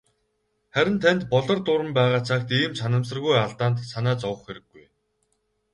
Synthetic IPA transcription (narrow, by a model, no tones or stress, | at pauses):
χæɾʲɪ̆nt̪ʰænt̪pɔɮɞ̆rt̪ʊɾə̆mpæːʁaːt͡sʰakt̪iːmsanə̆ms̬ə̆rɣujaɮt̪aːnt̪sanæːt͡sɔwə̆χxeɾɘ̆ɡːuj